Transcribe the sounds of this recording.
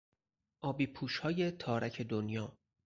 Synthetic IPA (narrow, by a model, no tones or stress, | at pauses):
ʔɒːbiːpʰuːʃhɒːje̞t̪ʰɒːɾæcʰe̞d̪onjɒː